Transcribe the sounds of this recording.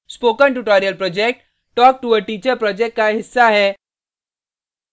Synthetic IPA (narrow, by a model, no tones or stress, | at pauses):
spoːkə̃nʈuʈɔːɾijəlpɾɔːd͡ʒek̚ʈ | ʈːɔːk̚ʈuəʈiːt͡ʃəɾpɾɔːd͡ʒek̚ʈkaɦɪsːaɦɛː